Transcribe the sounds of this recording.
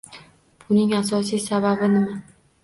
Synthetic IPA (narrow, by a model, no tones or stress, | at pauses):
b̥ʊnɪŋasɒsijsababɪnɪma